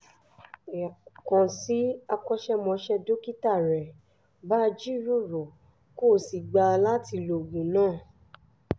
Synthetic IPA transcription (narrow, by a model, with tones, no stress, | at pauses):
kɔ̃˨si˨˦a˧kɔ˧ʃɛ˦mɔ̃˧˦ʃɛ˧do˦ki˦ta˦˨ɾɛ˨ | ba˦d͡ʒi˦ɾo˦˨ɾo˨ | ko˦˨si˨ɡ͡ba˧la˦ti˧lo˨ɡũ˨˦nãː˦˨